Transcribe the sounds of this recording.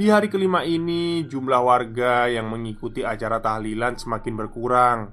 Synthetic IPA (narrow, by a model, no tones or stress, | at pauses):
diɦaɾikəlimainid͡ʒumlahwarɡajaŋməŋikut̪iat͡ʃaɾat̪ahlilansəmakɪnbərkuɾaŋ